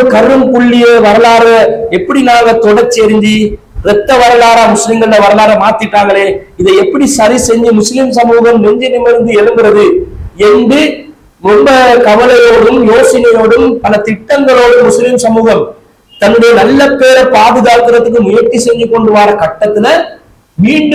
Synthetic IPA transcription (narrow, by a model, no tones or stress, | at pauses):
kɐɾɯmkʊɭːɪjɐʋɐɾɐlaːɾɣɐɛpːɐɽinaːŋɡɐt̪ɔɽɐt͡ʃːɛɾɯnd͡ʒi | ɾɛt̪ːɐʋɐɾɐlaːɾaːmʊslɪmɡɐɭɯlɐʋɐɾɐlaːɾɣɐmaːt̪ːɪʈːaːŋɡɐɭeːɪðɐɪɛpːɐɽisɐɾisɛɲd͡ʒɯmʊslɪmsɐmuːɣɐmnɛɲd͡ʒɐnɪmɐɾɯnd̪ɯɛlɯmbɯɾɐðɯɛndrɯ | ɾɔmbɐkɐʋɐlɐjoːɽɯmjoːsɪnɐjoːɽɯmpɐnɐt̪ɪʈːɐŋɡɐɭoːɽɯmmːʊslɪmsɐmuːɣɐm | t̪ɐnːɯɽɐjɐnɐlːɐpːeːɾɐpaːðɯðaːlt̪ɯɾɐt̪ːɯkːɯnɪjɐɾt͡ʃːisɛɲd͡ʒɯkːɔɳɖɯʋaːɾɐkɐʈːɐt̪ːɯlɐ | miːɳɖɯ